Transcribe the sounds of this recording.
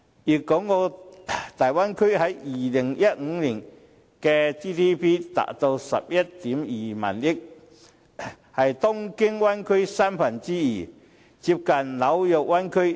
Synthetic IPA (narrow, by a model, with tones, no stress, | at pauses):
jiː˨˩kːɔː˨˥ŋɔː˨˧t̪aː˨˩jwa˥nkʰɵ˥ɥɦɐ˨˥jjiː˨lɪ˨˩ŋjɐ˥t̚ŋ̩˨˧˦liː˨˩n | kɛː˧t͡siː˥t̪ʰiː˥pʰiː˥t̪a̰ː˨˩k̚t̪o˧wsɐ̰˨p̚jɐ˥t̚t̪iː˨˥mjiː˨˩ma̰ː˨˩njɪ˥k̚ | hɐ˨jt̪ɔ˥ŋkɪ˥ŋwɐ˥nkʰɵ˥ɥsaː˥mfɐ˨˩nt͡siː˥jiː˨˩ | t͡siː˧p̚kɐ˨˩nnɐ˨˥wjɔ˨k̚wɐ˥nkʰɵ˥ɥ